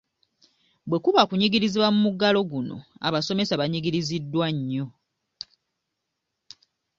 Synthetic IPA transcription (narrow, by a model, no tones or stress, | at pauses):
bwe̞kuβakuɲiɡiɾiziβwamumuɡalo̞ɡuno̞̰a̰βaso̞me̞saβaɲiɡiɾizidːwaɲːo̞